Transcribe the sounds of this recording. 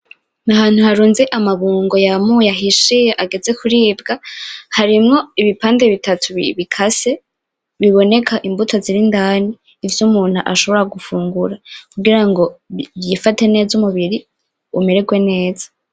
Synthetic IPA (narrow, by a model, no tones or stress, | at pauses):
naɦaːn̥huhaɾuːnzeʔamaβuːŋɡo̞jamujaɦiʃijaʔaɡe̞ze̞kuɾiːbɡahaɾimŋo̞iβipaːnde̞βitatʰuβiβikʰase̞ | βiβo̞ne̞kʰaʔimbutʰoziɾindaniː | vjumuːn̥huʔaʃo̞βo̞ɾaɡufuːŋɡuɾakuɡiɾaŋɡo̞βjifate̞ne̞ːzumuβiɾi | umeɾeɡwe̞ne̞ːzḁ